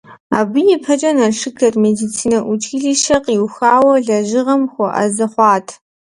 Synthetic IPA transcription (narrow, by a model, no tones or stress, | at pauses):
a̰ːbɨjɛpʰɐt͡ʃʼɐnɐʂɨkʰɐrmedit͡sʰiːnɐʔʷʊt͡ʃʼiːɮiːʃɐqʼiwxaːwɐɮɐʒɨʁɐmxʷɔʔɐ̰zɐχʷɑːtʰ